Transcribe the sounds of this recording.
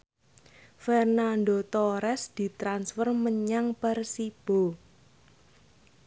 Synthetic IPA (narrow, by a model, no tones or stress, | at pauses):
fɛrnanɖ̪ot̪ɔɾɛsd̪̥i̤t̪ɾansfɔrməɲaŋpərsib̥o̤